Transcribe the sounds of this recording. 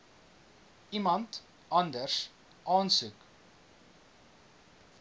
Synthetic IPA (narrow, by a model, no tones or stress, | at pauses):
imɐnt | ɐndərs | ʔɑːnsʉk